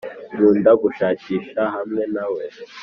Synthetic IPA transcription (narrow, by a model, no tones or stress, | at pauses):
ɾuːndaɡuʃaːciːʃahamŋe̞nawe